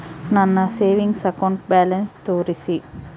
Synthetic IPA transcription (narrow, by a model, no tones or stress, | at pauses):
nɐnːɐseːʋɪŋɡsɛkɔɳɖbɛːlɐnst̪oːɾisi